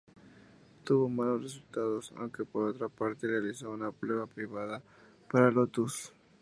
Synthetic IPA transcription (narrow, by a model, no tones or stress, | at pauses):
t̪uβo̞malosres̬ult̪aðo̞sa̰wŋke̞poɾo̞t̪ɾapaɾt̪erealisounapɾeβapɾiβaða | paɾalot̪us